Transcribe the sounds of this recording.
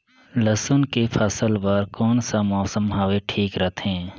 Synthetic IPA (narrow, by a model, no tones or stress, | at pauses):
ləsʊnkepʰəsəlʋaːɾkɔːnsamɔːsəmɦaːʋeʈʰiːkɾət̪ʰɦɛ̃ː